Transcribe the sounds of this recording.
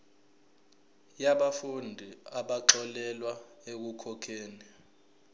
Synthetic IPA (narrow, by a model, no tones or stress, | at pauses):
jaɓafundʱiaɓaǁɔlɛlwaek̬ukʰɔkʰeːni